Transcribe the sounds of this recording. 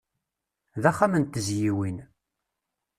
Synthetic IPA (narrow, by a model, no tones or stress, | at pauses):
ðæχːamənt̪əzjiwin